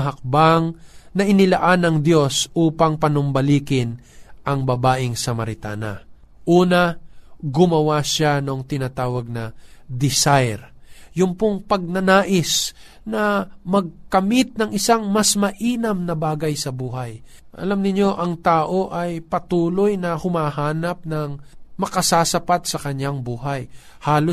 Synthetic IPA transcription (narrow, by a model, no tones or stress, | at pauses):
ɦɐk̚baŋnɐʔɪnɪlɐʔanɐŋd̪jo̞sʔuːpɐŋpɐnʊmbɐliːkɪnʔɐŋbɐbaːʔɪŋsɐmɐɾɪt̪a̰ːnɐ̰ | ʔuːnɐɡʊmɐwaʃanoŋt̪ɪnat̪aːwɐɡ̚nɐd̪ɪsajɾjʊŋpoŋpɐɡ̚nɐnaːʔɪs | nɐmɐɡ̚kɐmɪt̪̚nɐŋʔɪsaŋmɐsmɐʔiːnɐmnɐbaːɡɐjsɐbuːɦɐj | ʔɐ̰lamnɪɲːo̞ʔɐŋt̪aːʔo̞ʔɐjpɐt̪uːlo̞jnɐhʊmaːɦaːnɐp̚nɐŋmɐkɐsaːsɐpat̪sɐkɐɲjaŋbuːɦaj | haːlo